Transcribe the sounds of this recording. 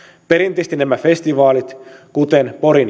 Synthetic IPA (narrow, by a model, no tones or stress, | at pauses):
pe̞ɾint̪iːst̪inæmæfe̞st̪iʋɑːlit̪kut̪enpo̞ɾin